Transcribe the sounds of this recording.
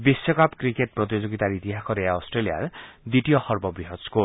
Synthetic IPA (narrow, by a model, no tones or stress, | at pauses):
bisjɔkapkɾikeʈ̚pɾɔt̪̬id͡ʒoɡit̪aɾit̪iɦakʰɔɾeaɔsʈɾelija̰ɾd̪iʈijɔhɔɾbɔbɾiɦɔsko